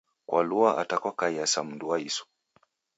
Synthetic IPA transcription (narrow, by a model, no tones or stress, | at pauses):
kwʔa̰luaʔa̰takwakaiasam̩nduwaisɔ̥